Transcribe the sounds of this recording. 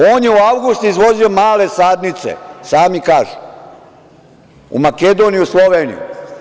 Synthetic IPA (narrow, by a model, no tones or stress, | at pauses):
o̞ːnjeuawɡust̪uizʋo̞zio̞maːle̞saːd̪nit̪sḛsaːmikaːʒu | ṵmake̞d̪o̞ːnijuslˠo̞ʋeːnḭjṵ